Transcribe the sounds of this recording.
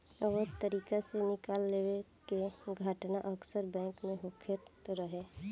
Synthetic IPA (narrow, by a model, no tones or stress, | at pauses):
ʋət̪əɾiːkasenɪkaːlːeːwekeɡʱəʈnaʔəksəɾbɛ̃ːŋkmẽɦokʰet̪oɾəɦe